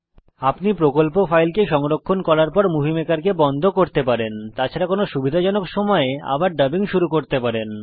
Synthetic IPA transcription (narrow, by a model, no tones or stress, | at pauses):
apnipɾokolpofajlkeʃɔŋɾokʰːonkɔɾaɾpɔɾmuɦimekaɾkebɔnd̪ʱokoɾt̪epaɾent̪at͡ɕʰaɾakonoʃubid̪ʱad͡ʑɔnokʃɔmɔea̰baɾɖabiŋʃuɾukoɾt̪epaɾen